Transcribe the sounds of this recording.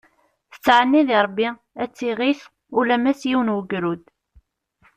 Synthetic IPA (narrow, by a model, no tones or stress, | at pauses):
θə̥t͡sːʕənːiðiɾˤbːi | æt͡sːiʁiθ | ulæmæsjiwənwəɡɾud̪